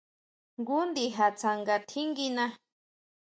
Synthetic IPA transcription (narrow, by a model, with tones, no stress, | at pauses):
ŋɡu˦nd̪i˧ɦa˨t͡sʰa˧ŋɡa˧t̪ʰi˦ŋɡi˧nã˧